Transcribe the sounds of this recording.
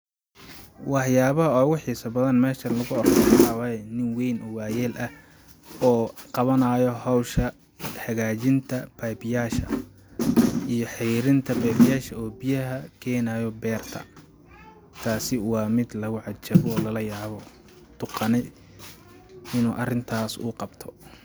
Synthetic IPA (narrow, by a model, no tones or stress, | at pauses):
wɑħjaːβɐɦɐɔːwʊħiːsɐbɐðɐnmɛːʃɐlɐɣʊɔrɐɾɑwaːɛnɪnwɛjnʔɔwaːjɛːlʔɐ | ɔːqɑβɐnɐːjɔhɐwʃɐ | hɐɣaːt͡ʃɪnt̪ʰɐb̥ɛbɪjaːʃɐ̰ | ijɔħɪɾɪnt̪ʰɐbɛːbɪjaːʃɐɔːbɪjɐɦɐkʰɛːnaːjɔbɛːrt̪ʰɐ̰ | t̪ʰaːsɪwɑːmɪd̪lɐɣʊʕɑd̪t͡ʃɐβɔːlɐlɐjaːβɔ | d̪̥ʊqɑnɛj | ɪnuːʔɐrɪnt̪ʰaːsʊ̰ːqɑbt̪ʰɔ